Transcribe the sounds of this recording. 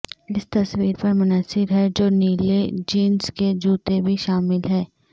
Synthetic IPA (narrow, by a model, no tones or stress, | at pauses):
ɪst̪ɐswiːɾpɐɾmʊnəsɪɾɦɛd͡ʒoːniːled͡ʒiːnsked͡ʒuːt̪ebʱiʃaːmɪlɦɛː